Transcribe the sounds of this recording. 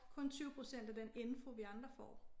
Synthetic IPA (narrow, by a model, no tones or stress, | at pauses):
kʰɔ̽nt͡sʰyʊpʰʁo̝sen̰d̥ædene̝nfo̝ʋiɑ̈nd̥ʁɐfɒ̰ː